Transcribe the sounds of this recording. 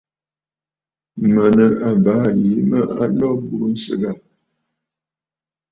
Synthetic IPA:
mə˨nə˨a˨baː˨˦ji˨˦mə˦ʔa̰˦lɔ˦bu˦n̩˦sə̰˨ɡa˦˨

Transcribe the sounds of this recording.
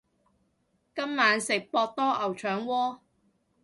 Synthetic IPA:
kɐ˥mːaː˨˧nsɪ˨k̚pɔː˧k̚t̪ɔː˥ʔɐ˨˩wt͡ʃʰœː˨˥ŋwɔː˥

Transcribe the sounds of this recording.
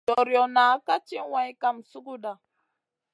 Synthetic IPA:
ɔ˨ɾjɔ˨na˨˦ka˦t͡ʃi˦wa˨jka˦msu˦ku˦ɗa˨

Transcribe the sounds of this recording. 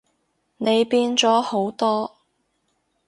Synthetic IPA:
ne˨˧jpiː˧˥nt͡sɔː˨˥ho˨˥wt̪ɔː˥

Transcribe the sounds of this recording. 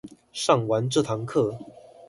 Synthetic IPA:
ʂɑ˥˩ŋwa˧˥nʈ͡ʂɤ˥˨˩t̪ʰɑ˧˥ŋkʰɤ˥˩

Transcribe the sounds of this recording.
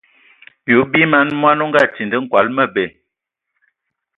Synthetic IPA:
ju˨˦bi˦ma˨˦nmwa˦nu˦ŋ˦ɡa˦˨ti˨ndə˦ŋ̩˦kwa˨˦lmə˦˨be˨

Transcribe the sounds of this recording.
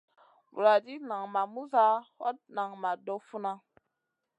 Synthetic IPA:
bṵ˨ɾa˨di˦na˨ŋma˨mu˦za˦hɔ̰˦t̚na˨ŋma˨dɔ˦fu˦na˦

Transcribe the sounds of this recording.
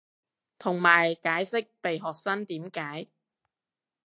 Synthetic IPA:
t̪ʰʊ˨˩ŋmaː˨˩jkaː˨˥jsɪ˥k̚pe˨jɦɔː˨k̚sɐ˥nt̪iː˨˥mkaː˨˥j

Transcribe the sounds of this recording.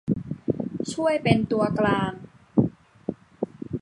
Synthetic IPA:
t͡ɕʰu˥˩əjpe˧nt̪u˧ɐklaː˧ŋ

